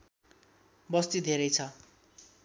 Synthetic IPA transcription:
bʌst̪id̪ʱeɾʌjt͡sʰʌ

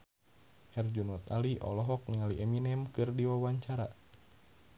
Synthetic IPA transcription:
hɛrd͡ʒunɔt̪aliʔɔ̰lɔɦɔk̚nialiʔɛminɛmkɨrdiwawaɲt͡ʃaɾa

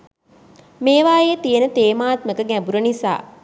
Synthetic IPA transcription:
meːʋaːjeːt̪ijənət̪eːmaːt̪məkəɡæbuɾənisa̰ː

